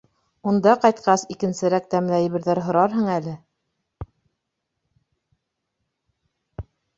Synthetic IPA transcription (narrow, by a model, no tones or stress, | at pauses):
und̪ɑqɑjt̪̚qɑsikɘ̆nsɘ̆ɾæk̚t̪æmlæj̆βɘ̆ɾðæɾɦŏɾɑɾɦɤ̆ɴælɘ